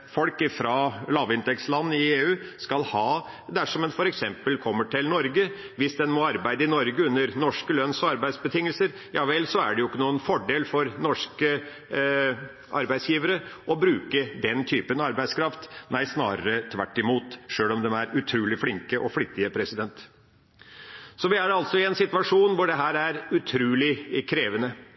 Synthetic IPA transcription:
fɔlkɪfɾɑlɑːʋɪnt̪ɛkslɑnːɪeːʉːskɑlhɑː | d̪æʂɔmɛnfɔɾɛksɛmpəlkʰɔmːəʈʰɪlnɔɾɡə | ʋɪsd̪ɛnmɔɑɾbæɪd̪əɪnɔɾɡəʉnːəɾnɔʂkəlœnsɔɑɾbæɪd̪sbət̪ʰɪŋːəlsəɾ | jɑːʋɛlsɔæ̰ɖɛjʊɪkːənuːənfɔɖeːlfɔɾnɔʂkə | ʔɑɾbæɪd̪sjiːʋəɾəʔɔbɾʉːkəd̪ɛnt̪ʰyːpənɑɾbæɪskʰɾɑft̪næɪsnɑ̰ːɾə̰ɾət̪ʰʋæʈːɪmuːt̪ʂøːlɔmd̪ɛmæɾʉt̪ʰɾuːlɪflɪŋkəʔɔflɪt̪ːɪəpʰɾɛsɪd̪ɛnt̪ | sɔʋɪæɖɛɑlt̪sɔɪɛnsɪt̪ʉʋɑʂuːnʋʊɖɛɦæːɾæɾʉt̪ʰɾʉːlɪkʰɾeːʋənə

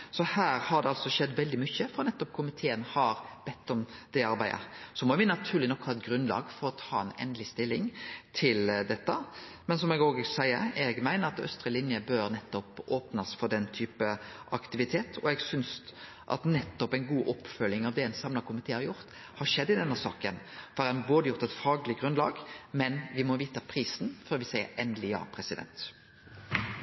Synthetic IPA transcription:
sɔhæːɾhɑɾd̪ɛɑlsɔʃɛd̪ːʋɛld̪ɪmʏçːəfɾɔnɛt̪ːɔp̚kʰʊmɪt̪ʰeːənhɑɾbɛt̪ːɔmd̪̥ɛɑɾbæɪd̪ə̰sɔmɔʋɪnɑt̪ʰʉːɾlɪnɔkːhɑːɛt̪̚ɡɾʉnlɑ̰ːɡfɔɾɔt̪ʰɑːɛnɛ̰nd̪lɪst̪ɪlːɪŋt̪ʰɪld̪ɛt̪ːə | mɛnsɔmɛɡoːɡsæɪə̰ɾɛɡmæɪnəɾɑt̪œ̰st̪ɾəlɪnjəbøːɾnɛt̪ːɔpoːpnɑsfɔɾd̪ɛnt̪ʰyːpəʔɑkt̪ɪʋɪt̪ʰeːt̪ʰɔɛɡsʏns | ʔɑ̰t̪nɛt̪ːɔpæɪnɡuːʔɔpːfœlːɪŋɑʋd̪ɛɛnsɑmlɑkʰʊmɪt̪ʰeːhɑɾjʊʁt̪ | hɑʂɛd̪ːɪd̪ɛnːəsɑ̰ːkən | fɔɾɾɛnboːd̪əjʊɾt̪ɛt̪fɑːɡəlɪɡʁʉnlɑ̰ːɡmɛnʋɪmɔʋiːt̪ɑpʰɾiːsnfɔːʁʋɪsæɪə̰ɾʔɛnd̪lɪjɑ̰ːpʰɾɛsɪd̪ɛ̰nt̪

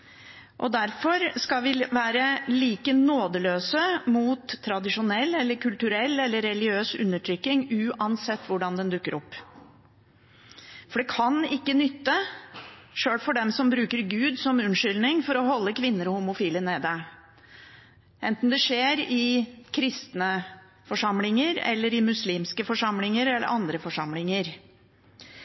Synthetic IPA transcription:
ʔɔd̪æɾfɔɾskɑlʋɪʋæːɾəliːkənoːd̪əløːsəmuːt̪ʰːɾɑd̪ɪʂʊnɛlːɛlːəɾkʰʉlt̪ʉɾɛlːɛlːəɾɛlɪɡɪøːsʉ̰nːəʈʰɾʏkːɪŋʉːʔɑnsɛt̪ːʋʊɖɑnd̪ɛnd̪ʉkːəɾʔɔpː | fɔɖɛkʰɑnɪkːənʏt̪ːə | ʂøːɽfɔɖɛmsɔmbɾʉːkəɾɡʉːd̪sɔmʉnʂʏlnɪŋfɔɾɔhɔlːəkʰʋɪnːəɾɔhʊmʊfiːləneːd̪ə | ʔɛnt̪n̩d̪ɛʂeːɾɪkʰɾɪst̪nə | fɔʂɑmlɪŋəɾɛ̰lːəɾɪmʉsliːmskəfɔʂɑmlɪŋəɾɛlːə̰ʔɑnd̪ɾəfɔʂɑmlɪŋəɾ

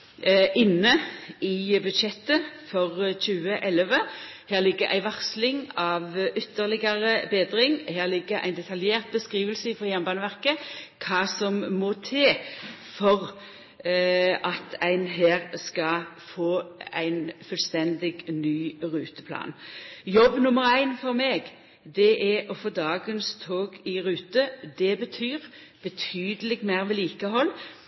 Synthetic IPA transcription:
ʔɪnːəɪbʉd̪ʃɛt̪ːəfɔʁɕʉːəʔɛlʋəhæːʁlɪɡːəʔæ̰ɪʋɑʁslɪŋɑʋʔʏt̪ːəʁlɪɡɑʁəbeːd̪ʁɪŋheːʁlɪɡːəʁʔæ̰ɪnd̪ɛt̪ʰɑljeːʁt̪̚bəskʁiːʋəlsəɪfɔjæmbɑːnəʋæʁkəkʰɑːsɔmːɔt̪ʰeː | fɔʁ | ɑt̪æɪnɦeːʁskɑfoːæ̰ɪnfʉlst̪ɛnd̪ɪɡnyːʁʉːt̪ə̥pʰlɑ̰ːnjɔbːnʊməʁæɪnfɔʁmeːɡ | d̪ɛʔæɔfoːd̪ɑːɡənst̪ʰoːɡɪʁʉːt̪əd̪ɛbət̪ʰyːʁ | b̥ət̪ʰyːd̪əlɪɡmæɪʁʋɛliːkəɦɔlː

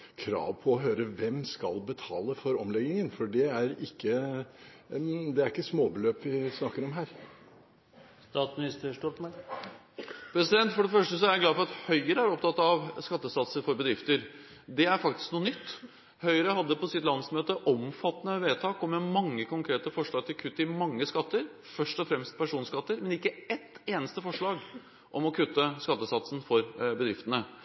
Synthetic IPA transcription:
kʰɾɑ̰ːʋpʰɔːɦøːɾəʋɛmskɑ̰lbət̪ʰɑːləfɔɾɔmlɛɡ̪ɪŋənfɔɖɛæɾɪkːə | d̪ɛæɾɪkːəsmoːbəløːpʋɪsnɑkːəɾɔmɦæːɾ | st̪ɑːt̪smɪnɪst̪əʂʈɔt̪mɛ | pʰɾɛsɪd̪ɛnt̪fɔɖɛfœʂʈəs̬ɔæɾɡlɑːfɔɾɑt̪hœʏəɾəæɾɔp̚t̪ʰɑt̪ːɑʋskɑt̪ːəsɑt̪səɾfɔɾbəd̪ɾɪft̪əɾ | d̪ɛæɾfɑk̚t̪ɪ̥sknuːənʏt̪ː | hœʏəɾəɦɑd̪ːəpɔsɪt̪lɑnsmøːt̪əʔɔmfɑt̪ːnəʋeːt̪ʰɑːkɔmːɛmɑŋːəkʊŋkʰɾeːt̪əfɔʂɭɑːɡ̚t̪ʰɪlkʰʉt̪ːəɪmɑŋːəskɑt̪ːəɾ | fœʂʈɔfɾɛmst̪̚pʰæʂuːnskɑt̪ːəɾmɛnɪkːəɛt̪eːnəst̪əfɔʂɭɑːɡ | ʔɔmɔkʰʉt̪ːəskɑt̪ːəsɑt̪sn̩fɔɾbəd̪ɾɪft̪ənə

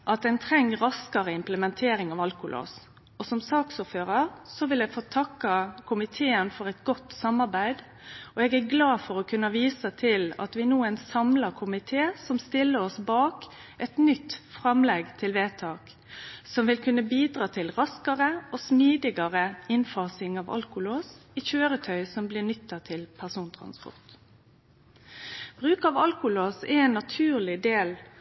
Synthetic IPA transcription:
ʔɑt̪̚d̪ɛnt̪ʰɾɛŋːɾɑskɑɾəɪmpləmɛnt̪ʰeːɾɪŋɑʋɑlkʊlʔo̰ːs | ɔsɔmsɑːksʊːføːɾɑɾsɔʋɪlɛɡfot̪ʰɑkːɑkʰʊmɪt̪ʰeːənfɔɾɛt̪ɡɔt̪ːsɑmːɑɾbæɪd̪ | ɔɛɡæɾɡlɑːfɔɾɔkʰʉnːɑʋiːsət̪ʰɪlɑ̰t̪ʋɪnuːənsɑmlɑɾkʰʊmɪt̪ʰeːsɔmst̪ɪlːəɾɔsbɑːk | ʔɛt̪nʏt̪ːfʁɛmlɛɡt̪ʰɪlʋeːt̪ʰɑːk | sɔmʋɪlkʰʉnːəbiːd̪ʁɑːt̪ʰɪlʁɑskəʁəoːsmiːd̪ɪɡɑʁəɪnfɑːsɪŋɑʋɑ̰lkʊloːsiːçøːɾət̪ʰœʏsɔmblɪʁnʏt̪ːɑt̪ʰɪlpʰæʁsuːnt̪ʰʁɑ̰nspɔ̰ʁt̪ | b̥ʁʉːkɑːʋɑlkʊloːsɛɛnːɑt̪ʰʉːʁlɪd̪eːl

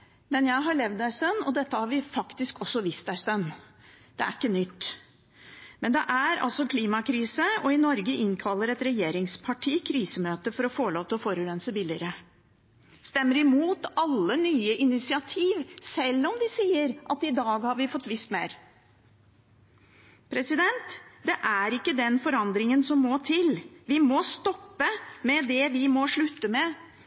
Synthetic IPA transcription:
mɛnjæɪɦɑɭɛʋd̪æʂt̪œnːɔd̪ɛt̪ːəhɑɾʋɪfɑkt̪ɪskɔsːɔʋist̪æʂt̪œnː | d̪̥ɛæ̰ɾɪkːənʏt̪ː | mɛnd̪ɛʔæɾɑ̰lsɔkʰliːmɑkʰɾiːsəɔɪnɔɾɡəʔɪŋkʰɑlːəɾɛt̪ɾɛjeːɾɪŋspʰɑʈʰiːkʰɾiːsəmøːt̪əfɔɾɔfoːɭoːt̪əɔfoːɾʉɾɛnsəbɪlɪɾə | st̪ɛmːəɾɪmuːt̪ɑlːənyːəʔɪnɪsɪɑt̪ʰiːʋsɛlːɔmd̪ɪsiːəɾʔɑt̪ɪd̪ɑːɡhɑɾʋɪfɔt̪ːʋɪst̪meːɾ | pʰɾɛsɪd̪ɛnt̪d̪ɛʔæɾɪkːəd̪ɛnfɔɾɑnd̪ɾɪŋənsɔmːɔt̪ʰɪlʋɪmɔst̪ɔpːəmɛd̪ɛʋɪmɔʂɭʉt̪ːəmɛ

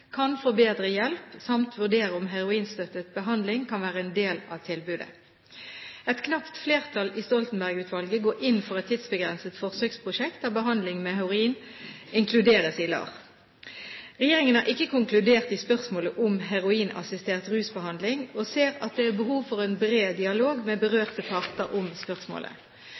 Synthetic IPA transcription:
kʰɑnfoːbeːd̪ʁəjɛlpsɑmt̪ʰʋʉʁd̪eːʁəʊmɦæʁʊiːnst̪œt̪ːət̪̚bəɦɑnd̪lɪŋkʰɑnʋæːʁəɛnd̪eːlɑʋt̪ʰɪlbʉːd̪ə̰ | ɛt̪kʰnɑpt̪fleːʁt̪ʰɑlist̪ɔlt̪n̩bæʁɡʉːt̪ʰʋɑlɡəɡoːʔɪnfɔʁɛt̪ʰːɪd̪sbəɡʁɛnsət̪fɔʁsøːkspʰʁʊʃɛk̚t̪̚d̪ɑːʋbəɦɑnd̪lɪŋmɛhɛʁʊiːnɪŋkʰlʉd̪eːʁəsɪlɑ̰ːʁ | ʁɛjeːʁɪŋənhɑːʁʔɪkːəkʰʊŋklʉd̪eːʁt̪ispœʁsmoːləʔʊmɦɛʁʊiːnɑ̰sɪst̪eːʁt̪ʁʉːsbəhɑnd̪lɪŋoːseːʁɑt̪̚d̪ɛæbəɦuːʋfɔʁɛːnbʁeːd̪ɪɑloːɡmɛbəʁøːʁt̪əpʰɑʁt̪əɾʔʊmspœʁsmo̰ːlʔə̰

